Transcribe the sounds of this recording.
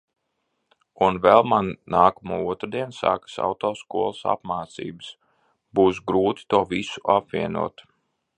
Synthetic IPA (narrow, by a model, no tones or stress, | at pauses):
unvɛlˠmanːaːkumuːuɔt̪ɾd̪iɛnsa̰ːkə̥sa̰wt̪ɔːskuɔlˠəsa̰pmaːt̪sḭːbɨs | buːs̬ɡɾuːt̪i̥t̪uɔvisu̥ʔapviɛnṵɔt̪